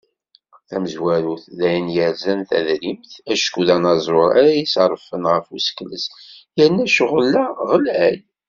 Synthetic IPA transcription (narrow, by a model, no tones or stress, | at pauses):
θæməzwæɾuθðæjənjəɾzænθæ̰ðɾimθæʃkuðænɑzˤoɾˤæ̰ɾæjisɾˤəfənʁəfusə̥kləsjəɾnːæʃʊʁəlːæʁəlæl